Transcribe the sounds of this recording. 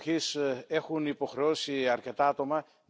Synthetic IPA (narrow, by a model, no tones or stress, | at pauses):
çise̞xunipo̞xɾe̞o̞siɐɾce̞t̪ɐɐt̪o̞mɐ